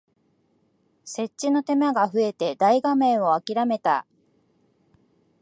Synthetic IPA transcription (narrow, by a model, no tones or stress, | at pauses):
se̞t͡ɕt͡ɕːino̞t̪e̞maɡaɸɯ̟e̞t̪e̞d̪aiɡamẽ̞ɰ̃o̞akʲiɾame̞t̪a̰